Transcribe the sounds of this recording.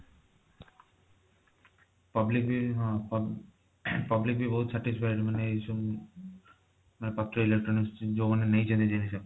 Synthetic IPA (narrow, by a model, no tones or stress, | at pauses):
pablik̚biɦãp | pablik̚bibɔɦut̪sʰɛʈid͡ʑfajʈmaneʃo | manepat̪ːɾoilek̚ʈɾonisd͡ʑobonenejt͡ɕʰent̪ed͡ʑenit͡ɕʰab